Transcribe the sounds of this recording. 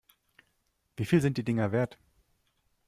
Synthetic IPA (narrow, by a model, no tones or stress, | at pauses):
v̥iːfiːlzɪntd̥iːdɪŋɐveːɐt